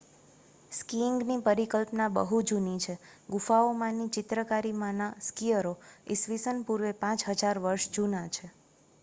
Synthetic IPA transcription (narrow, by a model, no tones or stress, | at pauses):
skiŋɡnipəɾikəlpnabə̰ɦud͡ʒunit͡ʃʰeɡufaomãnit͡ʃɪt̪ɾəkaɾimãnaskijəɾoisʋisənpuɾʋepãt͡ʃɦəd͡ʒaɾʋəɾʃd͡ʒunat͡ʃʰe